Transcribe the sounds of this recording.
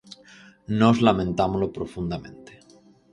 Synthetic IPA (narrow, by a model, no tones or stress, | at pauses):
nozlamẽnt̪amolopɾofund̪amḛ̃nt̪e̥